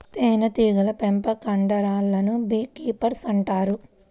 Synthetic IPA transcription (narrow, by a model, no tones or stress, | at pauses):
t̪eːnɐt̪iːɡɐlɐpempɐkɐɳɖɐɾaːlːɐnubiːkiːpɐɾsɐɳʈaːɾu